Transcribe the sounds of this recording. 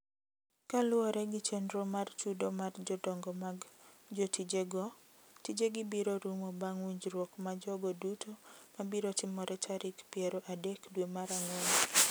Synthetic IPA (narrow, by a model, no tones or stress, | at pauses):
kalʊɔɾɛɡɪt͡ʃendɾɔmart͡ʃudomard͡ʒɔdɔŋɡɔmaɡd͡ʒotid͡ʒeɡɔ | tid͡ʒeɡɪbiɾoɾumobaŋwiɲd͡ʒɾwɔkmad͡ʒɔɡɔdutʰomabiɾotɪmɔɾʔɛtʰaɾʔɪkpɪɛɾɔʔadɛkdwemaɾaŋwon